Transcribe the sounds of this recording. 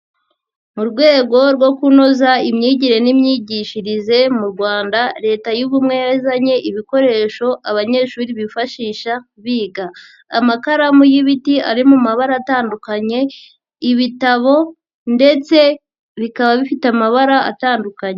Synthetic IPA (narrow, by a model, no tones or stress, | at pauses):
muɾɡwe̞ːɡo̞ɾɡwo̞kuno̞zaimɲiːɟiɾe̞nimɲiːɟiːʃiɾize̞muɾɡwaːndaɾe̞ːtajuβumŋe̞jazaɲe̞ʔiβiko̞ɾe̞ːʃo̞ʔaβaɲe̞ʃuːɾiβifaʃiːʃakβiːɡaː | makaɾamujiβitia̰ɾimumaβaɾaːtaːndukaɲe̞ | iβitaβo̞ | nde̞t͡se̞ | βikaβaβifitamaβaɾaa̰taːndukaɲe